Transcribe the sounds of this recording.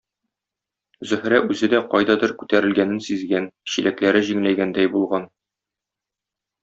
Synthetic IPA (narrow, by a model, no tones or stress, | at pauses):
zɵ̆hɾæʔʉzɘd̪æqɒjd̪ɑd̪ɤɾkʉt̪æɾɘ̆lɡænɘnsizɡænɕilæklæɾɘʑiŋlæjɡænd̪æjbulˠʁɑn